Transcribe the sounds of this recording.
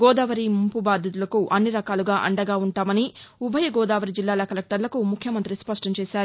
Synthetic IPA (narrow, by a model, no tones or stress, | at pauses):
ɡɔːd̪aːʋɐɾimumpubaːd̪ʱjɐt̪̬ulɐkuʔɐnːiɾɐkaːluɡaːʔɐ̰ɳɖɐɡaːuɳʈaːmɐniubʱɐjɐɡɔːd̪aːʋɐɾid͡ʒilːaːlɐkɐlek̚ʈɐɾlɐkumukʰjɐmɐnt̪ɾispɐʂʈɐmt͡ʃɛːsaːɾu